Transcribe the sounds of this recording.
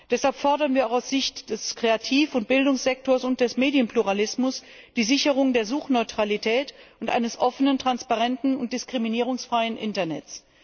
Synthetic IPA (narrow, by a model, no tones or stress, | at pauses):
d̥ɛshalpfɔɐdɐnviːɐaʊxaʊsz̥ɪçtd̥ɛskʁ̥eatʰiːfʊnt̚b̥ɪldʊŋsz̥ɛk̚toːɐsʊnt̚d̥ɛsmeːdijənpluʁalɪsmʊs | d̥iːzɪçəʁ̞ʊŋdeːɐzuːxnɔʏtʁ̥alitʰɛːtʊntʔa̰ɪnəsʔɔfənəntʁ̥anspaʁɛntn̩ʊnt̚d̥ɪskʁ̥iminiːʁ̞ʊŋsfʁ̥aɪənʔɪ̰ntɐnɛ̰t͡s